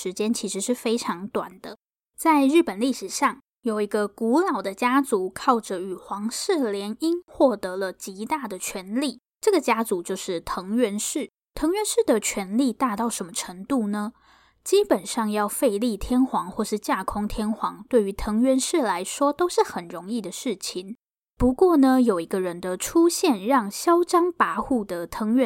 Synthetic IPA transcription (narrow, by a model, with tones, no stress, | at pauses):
ʂɻ̩˧˥t͡ɕjɛ˥nt͡ɕʰi˧˥ʂɻ̩˧˥ʂɻ̩˥˩fe˥ɪʈ͡ʂʰɑ˧˥ŋt̪wa̰˨˩nd̪ə˦ | t͡sa˥˧ɪɻɻ̩˥˩pə˨˩nli˥˩ʂɻ̩˨˩ʂɑ˥˩ŋ | jo˨˩ʊi˧˥ɡə˧ku˧˥lɑ˨˩ʊd̪ə˦t͡ɕja˥t͡su˧˥˦kʰɑ˥˩ʊʈ͡ʂə˨y˨˩xwɑ˧˥ŋʂɻ̩˥˩ljɛ˧˥ni˥nxwɔ˥˩t̪ɤ˧˥lə˧t͡ɕi˧˥t̪a˥˩d̪ə˩t͡ɕʰɥɛ˧˥nli˥˩ | ʈ͡ʂɤ˥˩ɡə˩t͡ɕja˥t͡su˧˥t͡ɕjo˥˧ʊʂɻ̩˥˩t̪ʰɤ˧˥ŋɥɛ˧˥nʂɻ̩˥˩ | t̪ʰɤ˧˥ŋɥɛ˧˥nʂɻ̩˥˩d̪ə˩t͡ɕʰɥɛ˧˥nli˥˧t̪a˥˧t̪ɑ˥˩ʊʂə˧˥nmə˧ʈ͡ʂʰə˧˥ŋt̪u˥˩nə˩ | t͡ɕi˥pə˨˩nʂɑ˥˧ŋjɑ˥˧ʊfe˥˧ɪli˥˩t̪ʰjɛ˥nxwɑ˧˥ŋxwɔ˥˧ʂɻ̩˥˧t͡ɕja˥˩kʰʊ˥ŋt̪ʰjɛ˥nxwɑ˧˥ŋt̪we˥˩ɪy˧˥t̪ʰɤ˧˥ŋɥɛ˧˥nʂɻ̩˥˩la˧˥ɪʂwɔ˥t̪o˥ʊʂɻ̩˥˩xə˨˩nɻʊ˧˦ŋi˥˩d̪ə˩ʂɻ̩˥˩t͡ɕʰi˨˩ŋ | pu˧˥kwɔ˥˩nə˨jo˨˩ʊi˧˥ɡə˧ɻə˦nd̪ə˧ʈ͡ʂʰu˥ɕjɛ˥˧nɻɑ˥˩ŋɕjɑ˥ʊʈ͡ʂɑ˥ŋpa˧˥xu˥˩d̪ə˩t̪ʰɤ˧˥ŋɥɛ˧˦